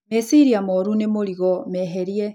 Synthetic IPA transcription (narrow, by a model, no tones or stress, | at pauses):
mesiɾiamɔɾunemoɾiɣɔmɛɦɛɾiɛ